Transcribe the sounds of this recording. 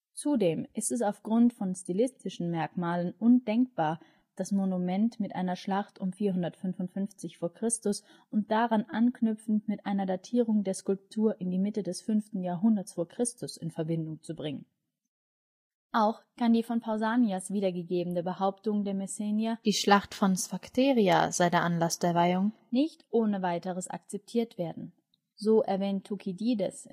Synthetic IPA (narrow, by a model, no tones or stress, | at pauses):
t͡sudeːmʔɪstɛs̬aʊfɡ̥ʁʊntfɔnstilɪstɪʃn̩mɛɐkmaːlənʔʊndɛŋk̚b̥aːɐ | d̥asmonumɛntmɪtʔa̰ɪnɐʃlaχtʊmfiːɐɦʊndɐtfʏnvʊntfʏnft͡sɪçfoːɐkʁ̥ɪstʊs | ʊnt̚d̥aʁanʔanknʏpp͡fn̩tmɪtʔaɪnɐdatʰiːʁ̞ʊŋdeːɐskʊlp̚tʰuːɐʔɪndiːmɪtədɛsfʏnftn̩jaːɐɦʊndɐtsfoːɐkʁ̥ɪstʊsɪnfɛɐbɪndʊŋt͡subʁɪŋən | ʔaʊxkʰandiːfɔnpʰaʊzaːniasv̥iːdɐɡəɡeːbn̩dəbəhaʊptʊŋdeːɐmɛsɛnjad̥iːʃlaχtfɔnsfaktʰeːʁia̰z̥aɪdeːɐʔanlasd̥eːɐvaɪʊŋ | nɪçtʔoːnəvaɪtəʁəsʔa̰k̚t͡sɛp̚tʰiːɐtv̥eːɐdn̩ | zoːʔɛɐvɛːntʰːukʰidiːdɛs